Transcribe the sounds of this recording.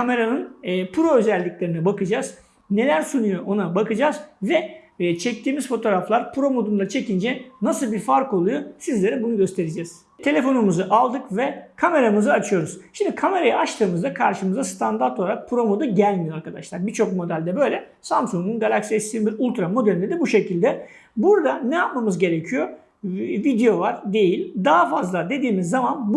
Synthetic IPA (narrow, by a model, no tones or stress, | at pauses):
kʰame̞ɾanɯnːpʰuɾo̞øzælʲːiclʲe̞ɾinɛbakɯd͡ʒaːz | ne̞lʲæɾsunujo̞ʔo̞nabakɯd͡ʒaːzvɛt͡ʃʰɛc̚t̪ʰiːmiz̥fo̞t̪ʰo̞ɾaflˠaɾpʰuɾo̞mo̞d̪und̪at͡ʃʰe̞cind͡ʒɛnasɯlˠbiɾfaɾko̞lˠujosizlʲe̞ɾɛbunuɟø̞st̪ʰe̞ɾid͡ʒɛːz̥ | t̪ʰe̞lʲe̞fo̞numuzɯʔalˠd̪ɯkvɛkʰame̞ɾamɯzɯat͡ʃʰɯjo̞ɾuz̥ʃimd̪ikʰame̞ɾajaat͡ʃt̪ʰɯːmɯzd̪akʰaɾʃɯmɯzd̪ast̪ʰand̪aɾt̪ʰo̞lˠaɾak̚pʰuɾo̞mo̞d̪uɟælʲmijoaɾkʰad̪aʃlˠaɾbiɾt͡ʃʰo̞kmo̞d̪ælʲd̪ɛbø̞jlʲɛ | samsuŋɡ̪unɡalʲˠacsiɛsi̥sinbiɾulʲˠt̪ɾamo̞d̪elʲind̪ɛbuʃe̞cʰilʲd̪ɛ | buɾd̪anɛjap̚mamɯzɟe̞ɾe̞cʰijo̞ | vid̪ejo̞vaɾd̪e̞jilʲd̪aɦafazlˠad̪e̞d̪iːmizːamanb